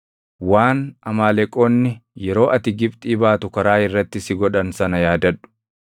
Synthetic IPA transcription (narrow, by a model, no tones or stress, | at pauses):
waːnɐmaːlɛkʼo̞ːnːɪjɛɾo̞ːʔɐt̪ɪɡɪbt̪ʼiːbaːt̪ʊkɐɾaːɪrːɐt̪ːɪsɪɡɔᶑɐnsɐnɐjaːd̪ɐᶑʊ̥